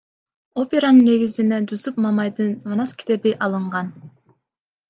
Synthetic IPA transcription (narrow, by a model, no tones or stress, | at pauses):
o̞pʲe̞ɾanɯnːe̞ɡizined̪uzup̚mɑmɑjd̪ɯnmanɑskʲi̥t̪e̞biʔɑlˠɯɴʁɑn